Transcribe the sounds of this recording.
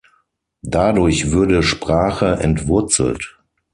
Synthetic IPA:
d̥adʊɐçv̥ʊɐdəʃpʁ̥aːχəʔɛ̰ntv̥ʊɐt͡sl̩t

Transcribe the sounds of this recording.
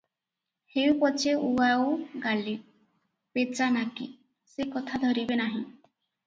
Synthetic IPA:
hewpɔt͡ʃʰeuawɡali | pet͡ʃanakḭ | sekɔt̪ʰad̪ʱɔɾibenaɦĩ

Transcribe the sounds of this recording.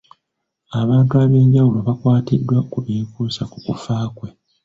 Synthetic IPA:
aβaːntuaβje̞ːɲɟawulo̞βakwaːtidːwakuiːkuːsakukufaːkwe̞

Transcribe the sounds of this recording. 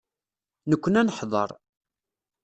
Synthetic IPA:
nəkʷːənænəħðˤə̰ɾˤ

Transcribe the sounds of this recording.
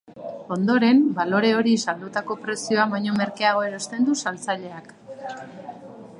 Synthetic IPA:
o̞nd̪o̞ɾe̞mbalo̞ɾe̞o̞ɾisald̪ut̪ako̞pɾe̞sio̞aβajɲo̞me̞ɾkeaɣo̞e̞ɾo̞st̪e̞nd̪usalt͡saʎe̞ak

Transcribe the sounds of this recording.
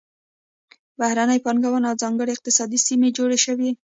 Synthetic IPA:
bahɾanəjpanɡawanawzɑŋɡəɽeɪq̚t̪ɪsɑd̪isimed͡ʒoɽeʃəwi

